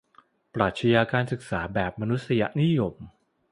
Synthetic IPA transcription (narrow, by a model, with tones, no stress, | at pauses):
pɾaː˨˩t̪̚t͡ɕʰa˧jaː˧kaː˧nsɯ˨˩k̚saː˩˦bɛː˨˩p̚ma˧nu˦˥t̪̚sa˧ja̰˨˩ʔni˦˥jo˧m